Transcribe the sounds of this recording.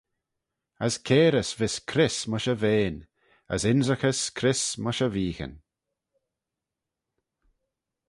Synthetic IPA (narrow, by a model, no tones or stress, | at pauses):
əskʰeːɾəsvɪskʰɾɪsməʃəveːn | ə̰sɪnzəxəskʰɾɪsməʃəviːxə̰n